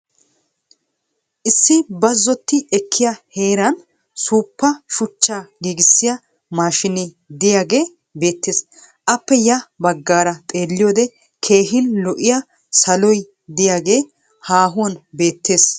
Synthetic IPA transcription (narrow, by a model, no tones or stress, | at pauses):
ʔɪsːɪbɐzːɔt̪ːɪɛkʰːɪjɐhe̞ːɾɐn | suːpːɐʃʊt͡ʃːaːɡiːɡɪsːɪjɐ | maːʃɪnɪ | d̪ɪjaːɡe̞ː | be̞ːt̪ːe̞ːs | ʔɐpːɛjɐbɐɡːaːɾɐt̪ʼe̞ːlːɪjɔd̪ɛ | kʰe̞ːɦɪnlɔʔɪjɐ | sɐlɔj | d̪ɪjaːɡe̞ː | haːɦʊwɐnbe̞ːt̪ːe̞ːs